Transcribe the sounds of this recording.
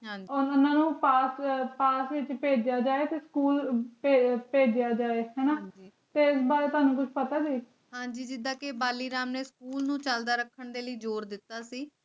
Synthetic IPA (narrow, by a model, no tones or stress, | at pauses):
ɦãːɲd͡ʒiɔɾʊnãːnũːpaːspaːsʋɪt͡ʃpeːd͡ʒɪjaːd͡ʒaːeːt̪eːskuːlpepeːd͡ʒɪjaːd͡ʒaːeːɦɛːnaːd͡ʒiː | t̪eɪsbaːɾeːt̪ʊaːnũːkʊt͡ʃʰpət̪aːd͡ʒiː | ɦãːɲd͡ʒiːd͡ʒɪd̪ãːkebaːliːɾaːmneːskuːlnũːt͡ʃəld̪aːɾəkʰːəɳd̪eːləiːd͡ʒoːɾd̪ɪt̪ːaːsiː